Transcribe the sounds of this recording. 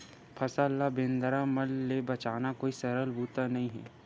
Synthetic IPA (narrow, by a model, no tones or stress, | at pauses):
pʰɐsalːabẽːnd̪əɾamɐlːebɐt͡ʃaːnakoːisɐɾəlbʱuːt̪anɐɦĩɦɛ̰ː